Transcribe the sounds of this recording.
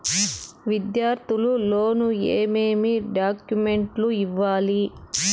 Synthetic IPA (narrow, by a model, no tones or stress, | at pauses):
ʋid̪jaːɾt̪ʰululo̞ːnueːmeːmiɖaːkjume̞ɳʈluiʋːaːli